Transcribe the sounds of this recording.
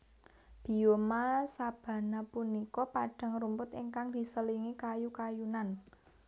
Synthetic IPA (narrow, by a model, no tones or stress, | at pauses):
b̥i̤jomasab̥ä̤napunikɔpaɖ̥a̤ŋɾumpʊt̪iŋkaŋd̪̥i̤səliŋikajukajunan